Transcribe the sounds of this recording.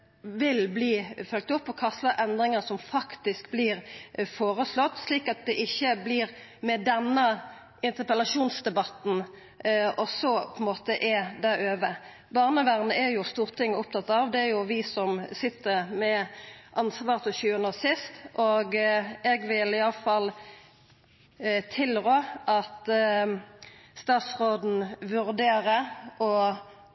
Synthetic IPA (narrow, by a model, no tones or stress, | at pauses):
ʋɪlbliːfœlk̚t̪ʊpːɔkʰɑst̪əɾʔɛnd̪ɾɪŋəsɔmfɑkt̪ɪskbliːɾfoːɾəslɔt̪ːsliːkɑt̪̚d̪ɛʔɪçːəbliːɾ | mɛd̪ɛnːə | ɪnt̪əpəlɑʂuːnsd̪ɛbɑt̪n̩ | ʔɔsɔpʰɔɪnmoːt̪əʔɛd̪æɾøːʋə | bɑːʁnəʋæʁnəæjʊst̪uːʁt̪ʰɪŋːəʊp̚t̪ʰɑt̪ɑʋd̪ɛæɾjʊʋɪsɔmsɪt̪ːəʁmɛʔɑnsʋɑːʁt̪ʰɔɕʉːənoːsɪst̪ʔoːɡɛɡʋɪlɪɑləfɑl | t̪ʰɪlʁoːʔɑt̪ | st̪ɑːt̪sʁoːd̪n̩ʋʉʁd̪eːʁəɔ